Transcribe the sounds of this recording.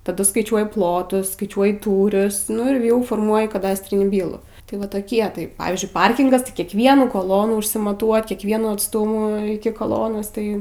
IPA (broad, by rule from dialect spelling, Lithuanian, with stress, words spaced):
tɐˈdʊ skɐɪˈt͡ʃʲuɔjɪ ˈplˠoːtʊs skɐɪˈt͡ʃʲuɔjɪ ˈtuːrʲʊs nʊ ɪr ˈjɛʊ foːrˈmuɔjɪ kɐˈdɑːsʲtʲrʲɪnʲiː ˈbʲiːlˠuː tɐɪ ˈʋɐ toːˈkʲiɛ tɐɪ ˈpɑːʋʲiːzʲd͡ʒʲʊɪ ˈpɐrʲkʲɪŋɡɐs tɐɪ kʲiɛkˈʋʲiɛnuː koːˈlˠoːnuː ɪʃʲsʲɪmɐˈtuɔtʲ kʲiɛkˈʋʲiɛnuː ɐtˈstʊmuː ɪkʲɪ koːˈlˠoːnoːs ˈtɐɪ